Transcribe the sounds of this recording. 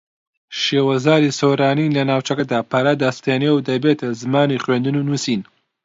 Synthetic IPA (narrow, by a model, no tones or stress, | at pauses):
ʃeːwɐzaːɾisoːɾaːnilɐnaːwt͡ʃɐkɐd̪aːpʰɐɾad̪ɐst̪eːnewd̪ɐbeːt̪ʰɐzɨmaːniχwend̪ɨnuːnuːsin